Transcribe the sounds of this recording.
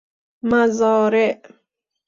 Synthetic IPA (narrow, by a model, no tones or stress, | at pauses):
mazɔːɾeʔ